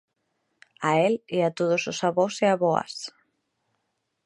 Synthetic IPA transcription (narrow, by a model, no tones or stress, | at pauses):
aeleat̪oð̞ososaβoseaβoa̰s